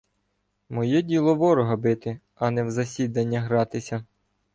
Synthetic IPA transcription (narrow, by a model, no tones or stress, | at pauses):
mɔjɛdʲilˠɔʋɔɾɔɦɐbɪt̪ɪ | ɐnɛwzɐsʲid̪ɐnʲːɐɦɾɑt̪ɪsʲɐ